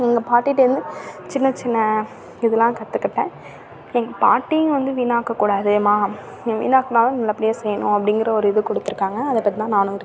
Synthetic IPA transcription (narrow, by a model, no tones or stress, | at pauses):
ɛŋɡɐpaːʈːɪʈːɐɾɯnd̪ɯt͡ʃɪnːɐt͡ʃɪnːɐ | ɪðɐlãːkɐt̪ːɯkːɪʈːɛ̃ː | ɛŋɡɐpa̰ːʈːijʊ̃ʋɐnd̪ɯʋiːnaːkːɐkːuːɽaːðɯmaː | ʋḭːnaːkːɐnaːlɐnɐlːɐpːɐɽɪjaːsɛjːɐnʊ̰̃ɐpːɐɽɪŋɡɪɾɐɔɾɯɪðɯkɔɽɯt̪ːɯɾɯkːaːŋɡɐːðɐpːɐt̪̬ːit̪ãːnaːnʊ̃ɪɾɯkː